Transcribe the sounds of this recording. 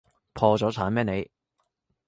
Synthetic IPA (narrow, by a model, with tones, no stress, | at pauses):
pʰɔː˧t͡sɔː˨˥t͡sʰaː˨˥nmɛː˥ne˨˧j